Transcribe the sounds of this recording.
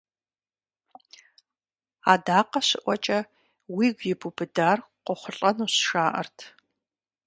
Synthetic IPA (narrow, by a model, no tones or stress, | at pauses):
aːdaːqɐɕɪʔʷɔt͡ʃʼɐ | wiːɡʷjɪbubɨdaːrqʷɔχʷʊɬʼɐnuːɕʃaːʔɐ̰rtʰ